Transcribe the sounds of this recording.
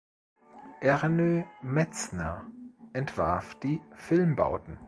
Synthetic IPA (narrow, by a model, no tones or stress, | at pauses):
ʔɛʁnømɛt͡snəʔɛntv̥aɐfd̥iːfɪlmba̰ʊtn̩